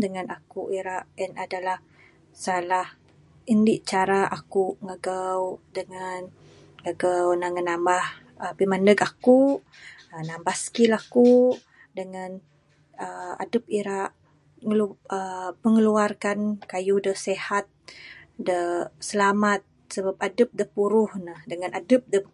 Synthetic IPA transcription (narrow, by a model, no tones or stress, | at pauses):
dəŋanakuʔiɾaʔənadalah | salah | indiʔt͡ʃaɾaʔakuŋaɡawdəŋan | ŋaɡawnaŋənambah | əpimandəkaku | ənambahskilaku | dəŋan | əa̰dəp̚iɾaʔ | ŋləməŋəluarkankajudəsehat̪̚dəsəlamat̪̚ | səbap̚adəp̚dəpuɾuhnahdəŋanadəp̚də